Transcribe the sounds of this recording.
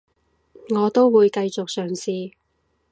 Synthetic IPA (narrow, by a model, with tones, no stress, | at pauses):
ŋɔː˨˧t̪o˥wwuː˨˧jkɐ˧jt͡sʊ˨k̚sœː˨˩ŋsiː˨˧